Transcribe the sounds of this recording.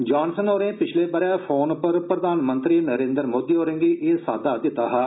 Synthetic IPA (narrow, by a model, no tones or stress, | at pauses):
d͡ʒaːnsənoːɾẽːpɪt͡ʃʰleːbəɾɛ̃ːpʰoːnpəɾpɾəd̪aːnmənt̪ɾiːnəɾẽːnd̪əɾmoːd̪iːɦoːɾẽŋɡiːʔeːsaːd̪aːd̪ɪt̪aːɦaː